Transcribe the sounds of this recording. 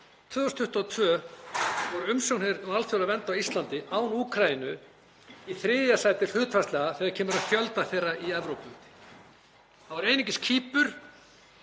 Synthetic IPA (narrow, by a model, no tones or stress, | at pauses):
t̪ʰvœːðɔst̪ʰʏht̪at̪ʰvœː | vɔɾʏmsownheɪɾɔalfjowlavɛnt̪awist̪lant̪ɪʔaːwnuːkʰɾajinʏ | iθɾɪːðjasaːjt̪ɪɾ̥hʏːt̪fast̪lɛɣaθɛːɣaɾcʰɛːmʏɾaðfjœlt̪aθejrːaiɛvɾowpʏt̪ɪ̥ | θaðvaɾeːjnɪcɪscʰiːpʏɾ̥